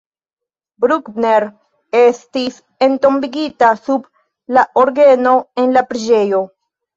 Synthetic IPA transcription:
bɾukbneɾ | e̞stis | e̞nto̞mbiɡitasub | laʔoɾɡe̞no̞e̞nlapɾid͡ʒe̞jo̞

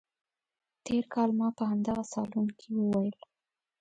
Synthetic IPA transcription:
t̪ʰeɾkʰɑlmɑpəhamd̪aɣasɑ̰lunkʰiwəwajəl

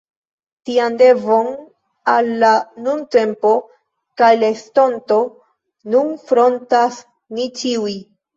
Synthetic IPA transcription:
tiande̞vo̞n | alːanunte̞mpo̞ | kajlesto̞nto̞ | nunfɾo̞ntas | nit͡ʃiuj

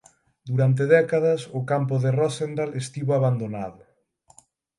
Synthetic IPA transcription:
d̪uɾant̪̬eðɛkaðɐsʊkampʊðerɔsend̪alest̪iβoaβand̪onaðʊ

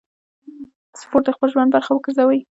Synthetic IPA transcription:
sʊ̥poʈ̪̚d̪əxpəlʒwand̪̚baɾxawəɡəɾzawəj

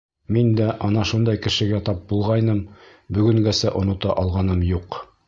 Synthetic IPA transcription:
mind̪æʔɒnɑʃund̪ɑjkɘ̆ʃɘ̆ɡæt̪ɑp̚bulˠʁɑjnɤm | bɵ̆ɡɵ̆ŋɡæsæʔŏnŏt̪ɑʔɑlˠʁɑnɤmjuq

